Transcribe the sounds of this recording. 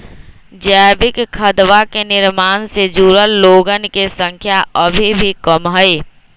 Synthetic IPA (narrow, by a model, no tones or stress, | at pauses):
d͡ʒabɪkkʰːəd̪wakenɪɾmaːnsed͡ʒuːɾəlloːɡənkesə̃ŋkʰjaʔəbʱibʱikəmɦəe